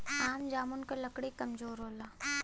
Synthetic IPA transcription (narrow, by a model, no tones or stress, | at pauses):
aːmd͡ʒaːmʊnkelɐkɽekɐmd͡ʒoːɾɦoːlaː